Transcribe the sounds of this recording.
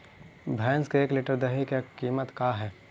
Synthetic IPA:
bʱɛːnskeeːkleːʈəɾd̪ɐɦikekiːmət̪kaːɦɛː

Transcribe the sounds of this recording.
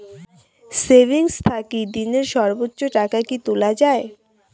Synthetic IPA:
sebʱiŋst̪ʰakid̪ineɾʃɔɾbotːɕoʈakakit̪ulad͡ʑae

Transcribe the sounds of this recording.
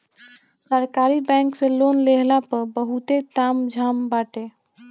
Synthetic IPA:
səɾkaɾibɛ̃ŋkselonleɦlapəɾbəɦut̪et̪amd͡ʒʱambaʈe

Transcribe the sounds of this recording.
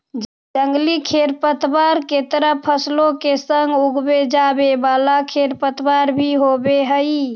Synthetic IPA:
d͡ʒ | d͡ʒəŋɡlikʰeɾpət̪baɾket̪ɾəpʰəslokesəŋɡuɡbed͡ʒabebalakʰeɾpət̪ʰbaɾbʱiɦobeɦəj

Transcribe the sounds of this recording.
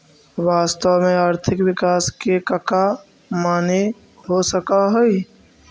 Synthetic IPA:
ʋaːst̪əwmẽaɾt̪ʰɪkʋɪkaːskekəka | maːne | ɦosəkaɦəj

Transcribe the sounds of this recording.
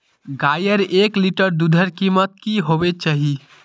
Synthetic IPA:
ɡajəɾekliʈəɾd̪ud̪ʱəɾkimət̪̚kiɦobet͡ʃaɦi

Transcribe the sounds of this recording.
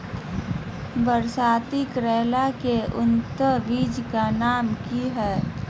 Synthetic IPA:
bəɾsaːt̪ikɾɛːlakeʊnt̪əʋiːd͡ʒkanaːmkiɦɛː

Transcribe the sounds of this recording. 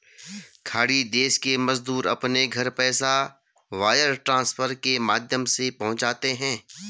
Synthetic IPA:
kʰaːɽid̪eːskemɐzd̪uːɾɐ̰pneɡʱɐɾpɛːsa | ʋaːjəɾʈɾãːsfʰəɾkemaːd̪ʱjəmsepɐɦʊ̃t͡ʃaːt̪eɦɛ̃ː

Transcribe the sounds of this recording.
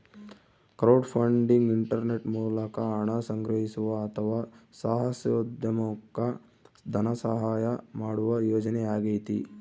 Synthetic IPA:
kɾɐwɖpʰɐɳɖiŋɡiɳʈɐɾneʈmuːlɐkɐːɳɐsɐŋɡɾɐɦisuʋɐːt̪ʰɐʋaːsaːɦɐsjoːd̪jɐmukːɐ | d̪ʱɐnɐsɐɦaːjɐmaːɽuʋɐjoːd͡ʒɐnɛaːɡejt̪ḭ

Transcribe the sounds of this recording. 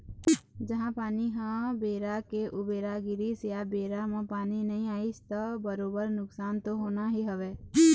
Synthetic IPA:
d͡ʒɐɦãpaːniɦãbeːɾakeʔʊbeːɾaɡɪɾisjabeːɾamẽpaːninɐɦĩaːɪst̪ɔbəɾoːbəɾnʊksaːnt̪oɦoːnaɦiɦɐʋeː

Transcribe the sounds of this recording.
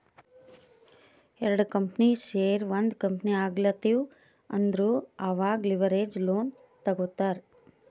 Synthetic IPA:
ɛɾɐɽkɐmpniʃeːɾʋɐnd̪kɐmpniaːɡlɐt̪iw | ɐnd̪ɐɾuːɐʋaːɡliʋɐɾeːd͡ʒloːn | t̪ɐɡut̪ːaːɾ

